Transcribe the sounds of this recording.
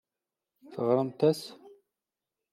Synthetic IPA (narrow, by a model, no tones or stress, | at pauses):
θəʁɾˤəmt̪æs